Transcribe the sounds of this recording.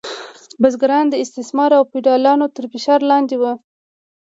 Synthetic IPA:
bazɡaɾɑnd̪əɪst̪ɪsmɑɾawpiɖɑlɑnot̪əɾfɪʃɑɾlɑnd̪ewə

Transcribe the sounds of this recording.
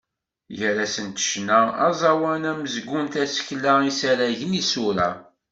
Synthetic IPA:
jəɾæsənt̪ə̥ʃnæɑ̰zˤɑwænæməzɡʷʊnt̪æsə̥çlːæisæɾæʝənisuɾæ̰

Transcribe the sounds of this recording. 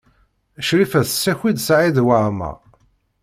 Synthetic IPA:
əʃɾifæθsːæçid̪sʕiðwaʕmæ̰

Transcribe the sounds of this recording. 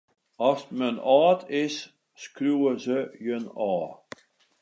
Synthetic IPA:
ɔsmənɑːtʰɪsː | kruəzəjənɑː

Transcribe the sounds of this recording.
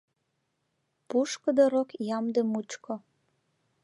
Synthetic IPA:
puʃkəd̪oɾokjɑmd̪emut͡ʃkʰo

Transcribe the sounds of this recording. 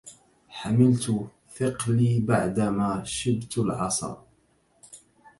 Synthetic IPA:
ħamɪlt̪ | fɪqliːbaʕd̪amaːʃɪd̪t̪lʕɑ̰sˤɑ̰ˤ

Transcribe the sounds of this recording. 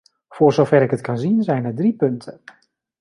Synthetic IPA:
fʊːrzowfɛɾɪkətkanzinzɛjnədripɵntʰə

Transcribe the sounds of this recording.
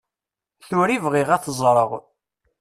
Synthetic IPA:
θʊɾivʁɪʁæθəzˤɾˤəʁ

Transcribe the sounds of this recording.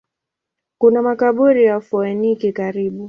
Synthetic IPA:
kunamakaɓuɾijafɔɛnikikaɾiɓu

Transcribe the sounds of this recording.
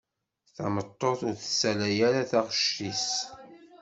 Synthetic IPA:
θɑ̰mət̪ˤːoθʊɾθəsælæjæɾaθaʁʃis

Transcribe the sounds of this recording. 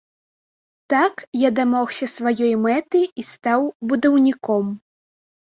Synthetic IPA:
t̪akjad̪amɔxsʲɐsvajɔjmɛt̪ɨjist̪awbud̪ɐwnʲikɔm

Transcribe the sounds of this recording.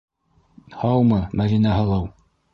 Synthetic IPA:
hɑwmɤmæðinæɦɤ̆lˠɤw

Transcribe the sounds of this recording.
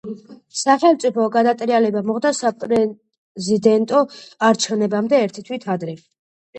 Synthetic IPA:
saχɛlt̪sʼipʰɔɡad̪at̪ʼɾialɛbamɔʁd̪asapʼɾɛ | zid̪ɛnt̪ʼɔaɾt͡ʃʰɛvnɛbamd̪ɛːɾt̪ʰit̪ʰwit̪ʰad̪ɾɛ

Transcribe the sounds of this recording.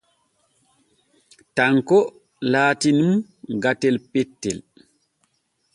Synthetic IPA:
taŋkɔ | laːtinum | ɡatɛlpɛtːɛl

